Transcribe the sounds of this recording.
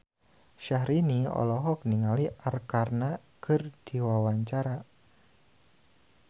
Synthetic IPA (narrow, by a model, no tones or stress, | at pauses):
ʃahɾiniɔ̰lɔɦɔk̚niŋaliʔarkarna | kərd̥i̤wawaɲt͡ʃaɾa